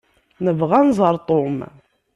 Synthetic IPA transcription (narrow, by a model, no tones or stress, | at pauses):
nəvʁænzˤɑɾˤt̪ˤom